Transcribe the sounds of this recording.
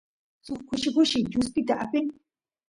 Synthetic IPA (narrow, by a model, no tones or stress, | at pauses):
sʊχkʊʃɪkʊʃɪd͡ʒʊspɪt̪aʔapɪŋ